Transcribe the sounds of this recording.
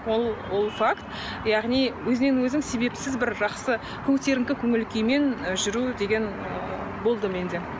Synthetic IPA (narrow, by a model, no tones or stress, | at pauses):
wolˠwo̞lˠfakt̪ | jɑʁnijwɵzɪnenwɵzɪŋse̞be̞psɪzbɪɾʒɑqsə | kʲʰɵkt̪e̞ɾɪŋkʲɪkʲʰɵŋɪlkʲejme̞nʒʏɾud̪e̞ɡʲe̞n | ə | bo̞lˠd̪əme̞nd̪e̞